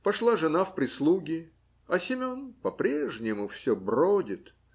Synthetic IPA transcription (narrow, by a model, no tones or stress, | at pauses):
pɐʂlˠaʐɨnafpɾʲɪslˠuɡʲɪ | ɐsʲɪmʲonpɐpɾʲeʐnʲɪmʊfsʲɵbrodʲɪt̪